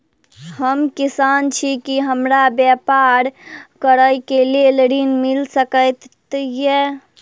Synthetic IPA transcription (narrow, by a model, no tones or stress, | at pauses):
həmkisant͡ʃʰikiɦəmɾabjɛpaɾkəɾəjkelelɾinmilsəkəjt̪ | je